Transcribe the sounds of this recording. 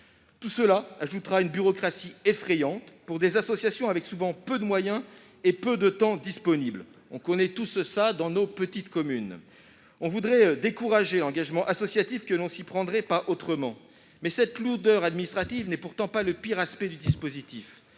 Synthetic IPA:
t̪usəlaaʒut̪ʁaynbyʁɔkχasiefχɛjɑ̃t̪puʁd̪ezasɔsjasjɔ̃avɛksuvɑ̃pød̪əmwajɛ̃ | epød̪ət̪ɑ̃d̪ispɔnibl | ɔ̃kɔnɛt̪ussad̪ɑ̃nopət̪it̪kɔmyn | ɔ̃vud̪ʁɛd̪ekuʁaʒelɑ̃ɡaʒmɑ̃ʔasɔsjat̪ifkəlɔ̃sipχɑ̃d̪ʁɛpaʔot̪χəmɑ̃ | mɛsɛt̪luʁd̪œʁad̪minist̪χat̪ivnɛpuʁt̪ɑ̃paləpiʁaspɛd̪yd̪ispozit̪if

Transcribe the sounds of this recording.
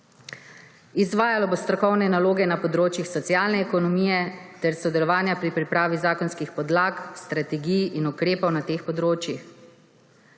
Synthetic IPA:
izʋaːjalɔbost̪ɾɔkɔwnɛnaloːɡɛnapɔd̪ɾoːt͡ʃjixsɔt̪sjaːlnɛːkɔnɔmiːjɛt̪ɛɾsɔd̪ɛlɔʋaːnjapɾipɾipɾaːʋizaːkɔnskixpɔd̪laːkst̪ɾat̪ɛɡijinukɾeːpɔwnat̪eːxpɔd̪ɾoːt͡ʃjix

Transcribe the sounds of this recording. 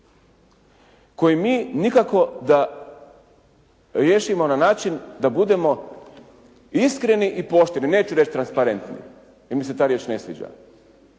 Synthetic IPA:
ko̞jimiːnikako̞d̪a | ɾje̞ːʃimo̞nanaːt͡ʃind̪abud̪e̞mo̞ | iskɾe̞niʔipo̞ʃt̪eɾnine̞ːt͡ɕuɾet͡ʃt̪ɾanspaɾe̞nt̪nḭ | jemise̞t̪aːɾje̞ːt͡ʃne̞sʋḭːd͡ʒa̰

